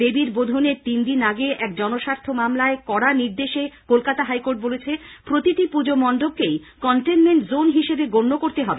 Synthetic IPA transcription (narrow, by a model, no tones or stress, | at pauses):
ebiɾbod̪ʱoneɾt̪ind̪inaɡeʔɛk̚d͡ʑɔnoʃaɾt̪ʰomamlaekɔɽaniɾd̪eʃekolkat̪aɦajkoɾʈ̚bolet͡ɕʰepɾot̪iʈipud͡ʑomɔɳɖob̚kejkɔɳʈenmeɳʈzonɦiʃebeɡonːokoɾt̪eɦɔbe